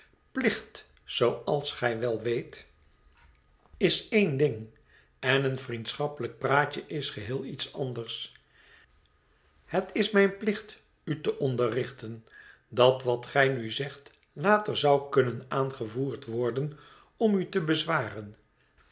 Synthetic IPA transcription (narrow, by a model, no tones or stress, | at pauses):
plɪχt | sowɑlˠsχɛjʋɛlˠʋejt | ɪsejndɪŋ | ɛnənfrintsχɑpələk̚praːcəʔɪsχəɦɪːlˠitsɑndəɹs | hətʰɪsmɛjnplɪχt | ytəʔɔndərɪχtən | dɑtʋɑtχɛjnyzɛχt | laːtərzʌwkɵnənaːnχəvuːɹtʋɔɹdən | ɔmytəbəzʋaːrən